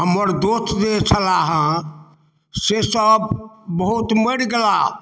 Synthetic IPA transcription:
ɦəməɾd̪ost̪d͡ʒet͡ʃʰəlaɦə̃ | sesəbbəɦut̪məɽɡela

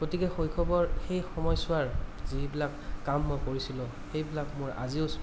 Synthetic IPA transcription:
ɡ̥otikɛxojkʰɔbɔɹxejxɔmɔjsʊaɹzibilakːamːojkoɹisilʊ̃ | xejbilakmʊɹa̰ziʊs

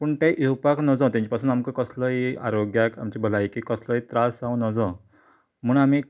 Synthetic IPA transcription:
puɳʈaʔiwpaknɔd͡zɔ̃t̪jãɲt͡ɕapasuːnamkəkəsləɦia̰ɾoɡjakamt͡ɕibʱəlaikiːkəsləit̪ɾasãwnɔd͡zɔ̃ | m̤əːnami

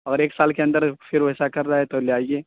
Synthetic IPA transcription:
ɐːɡəɾeːksaːlkeɐ̃nd̪əɾfɪɾʋoɦɪsakɐɾːaaɛt̪oleaːieː

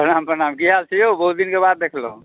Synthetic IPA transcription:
pənampɾənamkiɦalsʰijobəɦut̪̚d̪inkebad̪̚ːekʰləũ

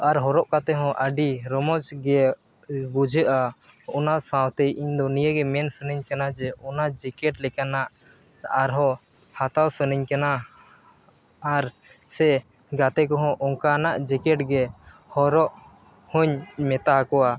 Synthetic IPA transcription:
aɾɦɔɾɔʔkat̪ɛɦɔ̃ʔəɖiɾɔmɔt͡ʃɡɛ | bud͡ʒʱəʔa | ɔnasãwt̪ɛjʔiɲd̪ɔnijəɡɛmɛnsənəɲkanad͡ʒɛɔnad͡ʒɛkɛʈlɛkanaʔ | aɾɦɔ̃hat̪awsənəɲkana | ɾsɛ | ɡat̪ɛk̬ɔɦɔ̃ʔɔŋkanaʔd͡ʒɛkɛʈɡɛhɔɾɔʔhɔɲmɛt̪akɔwa

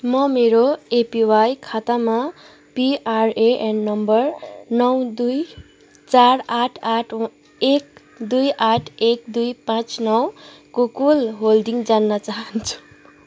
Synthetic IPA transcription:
mʌmeɾoepiwajkʰat̪ama | piʔaɾeʔenːʌmbʌrnʌwd̪uj | t͡saɾaʈʰaʈʰ | ek̚ | d̪ujʔaʈʰek̚d̪ujpãt͡snʌwkokulɦold̪iŋɡd͡zanːʌt͡saɦʌnt͡sʰu̥

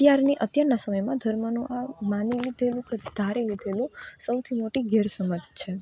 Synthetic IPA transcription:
t̪jaɾniʔət̪jaɾnasəməjmãd̪ʱəɾmənũʔamanilid̪ʱelũked̪̥ʱaɾelid̪ʱelũsəwt̪ʰimoʈiɡɛɾsəməd͡ʒt͡ʃʰe

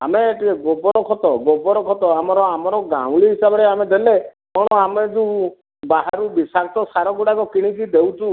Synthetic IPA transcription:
a̰meːʈikeɡɔbɔɾɔkʰɔt̪ɔɡɔbɔɾɔkʰɔt̪ɔamɔɾɔamɔɾɔɡa̰w̃liɦisabɔɾeamed̪ele | mɔɽ̃ɔamed͡ʒu | baɦaɾubisakʰɔt̪ɔsaɾɔɡuɽakɔkiɽ̃ikid̪ewtu

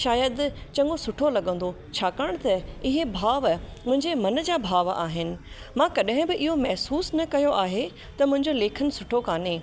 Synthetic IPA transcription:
ʃaːjəd̪t͡ɕɐ̃ŋɡosʊʈʰolɐɠə̃n̆d̪o | t͡ɕʰaːkəɽ̃t̪ɐɪɦebʱaːʋmʊ̃ɦɪ̃ɲd͡ʑemɐn̆d͡ʑaːbʱaːʋa̰ːɦɪnɪ̆ | mãːkɐɗɦɪ̃bɪʔɪɦomɛɦsuːsnɐkɐjoʔaːɦe | t̪ɐmʊ̃ɦɪ̃ɲd͡ʑoleːkʰən̆sʊʈʰokaːneː

